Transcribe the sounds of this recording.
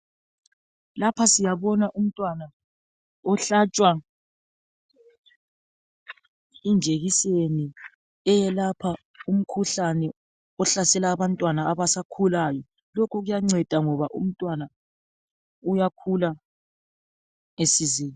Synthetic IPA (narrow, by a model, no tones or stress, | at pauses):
lapʰasijaβɔnaʔum̩tʼwana | ɔɬat͡ʃʼwa | ind͡ʒʱeɣiseni | ɛjɛlapʰa | um̩kʰuɬanɛ | ɔɬasɛlaːβantʼwanaːβasakʰulajɔ | lɔkʰɔɣujaŋ͡ǀɛd̥ʱaŋɔβaʔṵm̩tʼwana | ujakʰula | esizeːni